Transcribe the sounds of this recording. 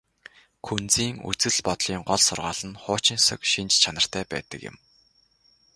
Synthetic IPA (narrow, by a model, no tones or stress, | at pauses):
kʰunt͡siːŋṵt͡sɘ̆ɮpɔt̪ɮiːŋɢɔɮsʊrʁaːɮ̥ə̆nχʊːt͡ɕɪ̆nsə̆kʃint͡ɕt͡ɕʰanə̆r̥t̪ʰæːpæ̰ːt̪ə̆kjɪ̰̆m